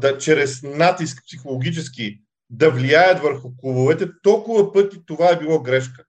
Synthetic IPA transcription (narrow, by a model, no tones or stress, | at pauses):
d̪ɐt͡ʃɾɛsnat̪isk̚psixolˠoɡʲit͡ʃɛski | d̪ɐvliajət̪vəɾxʊkˠubovɛt̪ɛt̪ɔlˠkʊvɐpɤt̪it̪ovaɛbilˠɔɡɾɛʃkə̥